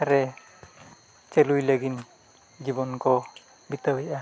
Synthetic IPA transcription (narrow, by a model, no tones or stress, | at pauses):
aɾɛ | t͡ʃelujlaɡin | d͡ʒibɔnkɔ | bit̪awijʔa